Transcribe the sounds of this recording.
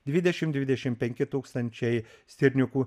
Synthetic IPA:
d̪ʲʋʲɪd̪ʲɛʃʲɪmd̪ʲʋʲɪd̪ʲɛʃʲɪmpʲɛŋʲkʲɪt̪uːkst̪ɐnʲt͡ʃʲɛɪsʲt̪ʲɪɾʲnʲʊkuː

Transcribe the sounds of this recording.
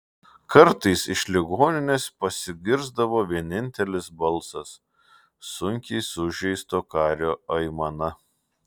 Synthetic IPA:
kɐɾt̪ɐɪsɪʃʲlʲɪɡoːnʲɪnʲespɐsʲɪɡʲɪɾzd̪ɐʋoːʋʲiɛnʲɪnʲt̪ʲɛlʲɪsbɐlˠsɐsː | ʊŋʲkʲɛɪsʊʒʲɛɪst̪oːkɑːɾʲoːɐɪmɐnɐ

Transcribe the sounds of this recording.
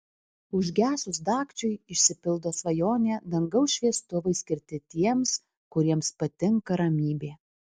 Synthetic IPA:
ʊʒʲɡʲæːsʊsd̪ɑːkt͡ʃʲʊɪɪʃʲsʲɪpʲɪlˠd̪oːsʋɐjoːnʲeːd̪ɐŋɡɐʊsʃʲʋʲiɛst̪ʊʋɐɪsʲkʲɪɾʲt̪ʲɪt̪ʲiɛms | kʊɾʲiɛmspɐt̪ʲɪŋkɐɾɐmʲiːbʲeː

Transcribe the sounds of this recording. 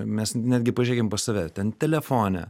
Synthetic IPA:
mʲɛsnʲæːd̪ʲɡʲɪpɐʒʲeːɡʲempɐsɐʋʲɛt̪ʲɛnt̪ʲɛlʲɛfoːnʲɛ̰

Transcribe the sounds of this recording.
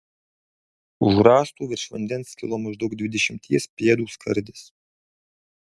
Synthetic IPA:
ʊʒɾɑːst̪uːʋʲɪɾʲʃʋɐnʲd̪ʲɛnskʲɪ̰lˠoːmɐʒd̪ɐʊɡ̚d̪ʲʋʲɪd̪ʲɛʃʲɪmʲt̪ʲiɛspʲiɛd̪uːskʰɐɾʲd̪ʲɪs

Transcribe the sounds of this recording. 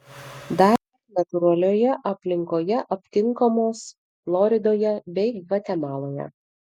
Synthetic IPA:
d̪ɑˑ | nɐt̪ʊɾɐlʲoːjɛʔɐpʲlʲɪŋkoːjɛʔɐpʲt̪ʲɪŋkomoːs | flˠɔɾʲɪd̪oːjɛbʲɛɪʋɐt̪ʲɛmɑːlˠoːjɛ̰

